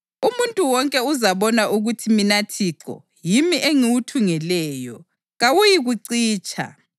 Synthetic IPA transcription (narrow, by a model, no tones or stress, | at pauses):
umuntʼuwɔŋkʼɛuzaβɔnaʔuɣutʰiminatʰiːǁɔ̰ | jimiʔeŋiwutʰuŋɛlɛːjɔ | ɣawujiɣuǀiːt͡ʃʰʼa̰